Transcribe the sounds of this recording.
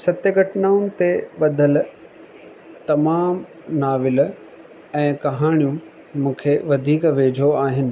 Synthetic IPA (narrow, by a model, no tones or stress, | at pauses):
sɐt̪jəɡɐʈnaːʊnɪ̆t̪eɓɐd̪ʱəl | t̪ɐmaːm | naːʋɪl | ɛ̃ːkɐɦaːɽ̃ijũ | mũːkʰeʋɐd̪ʱiːkʋeːd͡ʑʱoaːɦɪnɪ̆